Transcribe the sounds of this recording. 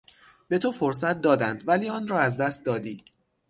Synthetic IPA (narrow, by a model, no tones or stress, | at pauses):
be̞t̪ʰofo̞ɾs̬æt̪̚d̪ɒːd̪ænd̪væliːɒːnrɒːæzd̪æst̪̚d̪ɒːd̪iː